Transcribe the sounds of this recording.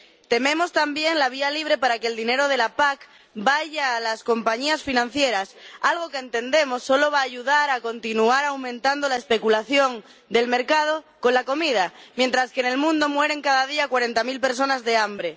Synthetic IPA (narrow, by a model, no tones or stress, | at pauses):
t̪e̞mẽ̞mo̞st̪ambje̞nlaβ̞ialiβ̞ɾe̞paɾakeːld̪ine̞ɾo̞ð̞e̞lapak | baʝaːlasko̞mpaɲiasfinãn̟θje̞ɾasalɣ̞o̞keːnt̪e̞nd̪e̞mo̞sːo̞lo̞β̞aːʝuðaɾako̞nt̪inuaɾawmẽnt̪and̪o̞laespe̞kulaθjo̞ŋ | d̪e̞lme̞ɾkað̞o̞ | ko̞nlako̞mið̞amje̞nt̪ɾaskene̞lmũnd̪o̞mwe̞ɾe̞ŋkaðaðiakwaɾe̞nt̪amilpe̞ɾs̬o̞nazðe̞ambɾe̞